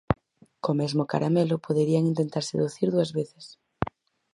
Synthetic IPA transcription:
komɛzmoka̰ɾamelopʰoðeɾiaŋint̪ent̪aɾsḛðuθiɾðuazβeθe̥s

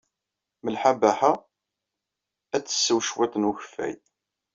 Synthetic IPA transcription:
məlħabæħa | æt͡sːə̥sːəwʃwet̪ˤənuçə̥fːæ̰j

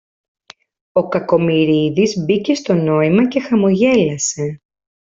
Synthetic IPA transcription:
o̞kɐko̞miɾiðizbice̞st̪o̞no̞imɐce̞xɐmo̞ʝe̞lɐse̞

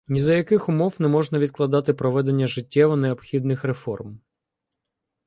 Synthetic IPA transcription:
nʲizɐjɐkɪxʊmɔwnɛmɔʒnɐʋʲid̪̚klˠɐd̪ɑt̪ɪpɾɔʋɛd̪e̞nʲːɐʒɪtʲːɛʋɔneɔbxʲid̪nɪxɾefɔ̰rm

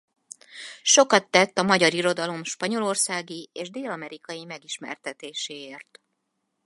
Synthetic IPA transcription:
ʃo̞kɒt̪ːɛt̪ːɒmɒɟɒɾiɾo̞d̪ɒlo̞mʃpɒɲo̞lo̞rsaːɡieːʒd̪eːlɒmɛɾikɒjimɛɡiʃmɛ̰rt̪ɛt̪eːʃeːeːrt̪

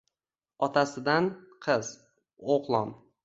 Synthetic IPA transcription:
ɒt̪ʰasɪd̪anqʰɨz̥ | oqlˠɒn

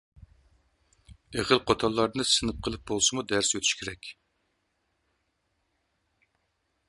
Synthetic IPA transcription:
eʁəlˠqʰot̪ʰɑlˠːɑɾnɨsɨnɨp̚qʰəlˠɨp̚bolˠsɨmud̪æɾsøt̪ʰy̥ʃkʲʰɪɾɛkʲ

